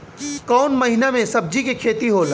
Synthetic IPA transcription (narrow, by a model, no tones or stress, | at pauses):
kɔːnmɐɦɪnamẽsɐb̚d͡ʒikekʰeːt̪iɦoːl